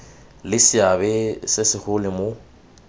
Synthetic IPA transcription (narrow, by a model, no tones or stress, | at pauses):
lɪsɪabɛsɪsɪχʊlɪmo